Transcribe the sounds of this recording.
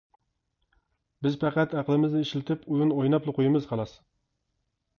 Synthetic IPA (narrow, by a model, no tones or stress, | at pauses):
bɪzpʰæqʰæt̪æqlˠɪmɪznɪiʃlɪt̪ʰɪpujunojnɑplˠɨqʰojɪmɨz̥qʰɑlˠɑs